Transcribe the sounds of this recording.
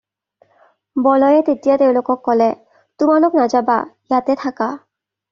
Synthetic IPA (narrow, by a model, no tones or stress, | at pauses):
bɔlɔjet̪et̪ijat̪ewlokɔkːɔlɛ | t̪umaloknad͡ʑaba̰jat̪et̪ʰaka